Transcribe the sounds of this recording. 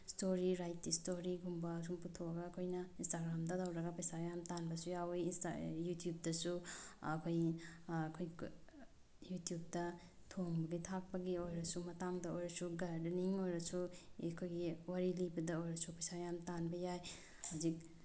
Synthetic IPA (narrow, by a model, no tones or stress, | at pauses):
stoɾiɾajt̚ːistoɾiɡumbɐs̬umputʰoɐɡɐːkʰojnɐinstaɡɾamdɐdawɾɐɡɐpɐjsajamtanbɐsujawjinsa̰jutʰijub̚dɐsuɐkʰoj | kʰoj | jutijub̚dɐ | tʰoŋbɐɡitʰak̚pɐɡiojɾɐsumɐtaŋdɐojɾɐsuɡadniŋojɾɐsukʰojɡiwaɾilibɐdɐojɾɐsupɐjsajamtanbɐjaj | hazik̚